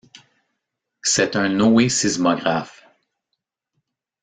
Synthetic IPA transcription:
sɛt̪ɛ̃nɔesizmɔɡʁaf

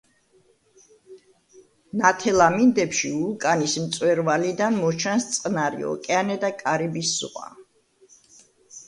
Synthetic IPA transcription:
nat̪ʰɛlamind̪ɛpʃiukʼanismt̪sʼwɛɾvalid̪anmɔt͡ʃʰanst̪sʼqʼnaɾḭɔ̰kʼɛanɛd̪akʼaɾibisːʁa̰

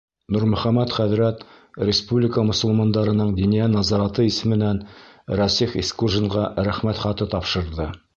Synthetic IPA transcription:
nuɾmɵ̆χæmæt̪χæðɾæt̪ | ɾʲɪspublʲɪkəmŏs̆lˠmɑnd̪ɑɾɤ̆nɤɴd̪inijænɑzɑɾɑt̪ɤisɘ̆mɘ̆nænɾɑsifiskuʒɤ̆ɴʁɑɾæχmæt̪χɑt̪ɤt̪ɑpʃɤ̆ɾðɤ

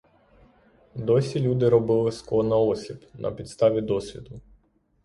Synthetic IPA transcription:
d̪ɔsʲilʲud̪ɪɾɔbɪlˠɪskˠɔnɐɔsʲibnʔɐ̰pʲit̪st̪ɑʋʲid̪ɔsʲʋʲid̪ʊ

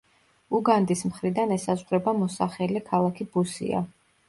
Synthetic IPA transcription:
uɡand̪ismχɾid̪anɛsazʁɾɛbamɔsaχɛlikʰalˠakʰibusḭa̰

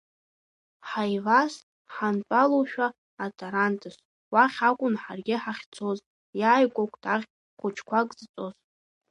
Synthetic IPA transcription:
ħajvas | ħant͡pʷʼaloʃᶣaː | tʰʼoɾantʰʼɨs | waχʲakʷʼʊnħarɡʲɪħaχʲt͡sʰoz | jaːjkʷʼokʷʰʼtʰaʁʲ | χʷʊt͡ʃʰkʷʰakʼzt͡sʼoz̥

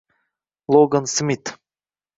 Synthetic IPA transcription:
lˠoɡənsmʲit̪

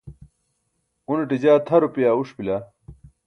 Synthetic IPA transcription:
uneʈid͡ʑaːt̪ʰɐɾupijaːuʂpila

